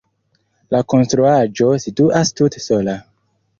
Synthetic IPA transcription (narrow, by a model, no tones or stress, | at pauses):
lako̞nstɾuad͡ʒo̞situʔastuteso̞la